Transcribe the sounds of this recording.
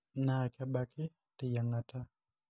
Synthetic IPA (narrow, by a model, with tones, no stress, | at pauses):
na˨ka˦ɓa˦ki˦ | ti˨ja˨ŋɡa˨ta˦